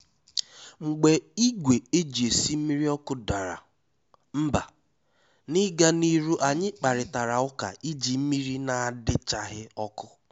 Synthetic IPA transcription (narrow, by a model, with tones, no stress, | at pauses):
ŋ͡m̩˨ɡ͡be˨i˦ɡʷe˨e˦d͡ʒi˨e˨si˦m̩˦mi˦ɾi˦ɔ˦kʊ˦da˨ɾa̰˨ | m̩˦ba˨ | nɪ˦ɡa˦ni˦ɾu˦ʔa˨ɲɪ˦k͡pa˨ɾɪ˨ta˨ɾa˨ʊ˦ka̰˨i˦d͡ʒi˨m̩˦mi˦ɾi˦na˨a˨dɪ˦t͡ʃa˨ɦɪ˦ɔ˦kʊ˦